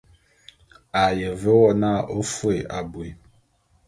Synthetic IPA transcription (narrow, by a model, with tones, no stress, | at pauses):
a˨jə˨və˦wɔ˦na˦˨ʔo˦fwe˨ʔa˨bwe˨